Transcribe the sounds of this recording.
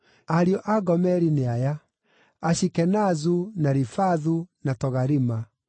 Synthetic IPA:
aɾiɔʔaɡɔmɛɾineajaː | ɕikɛnazunaɾifaðunatɔɣaɾima

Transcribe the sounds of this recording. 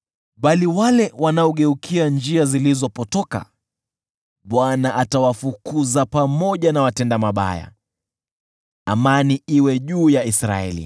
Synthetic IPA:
ɓaliwalɛwanaɔɠɛukʰiand͡ʒiazilizɔpɔtɔka̰ | ɓwanaʔatawafukuzapamɔʄanawatɛndamaɓa̰ja̰ | amaniiwɛʄuːjaisɾa̰ɛ̰lḭ

